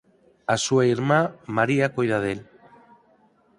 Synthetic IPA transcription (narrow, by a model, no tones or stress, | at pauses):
asuaiɾmamaɾiakojðaðel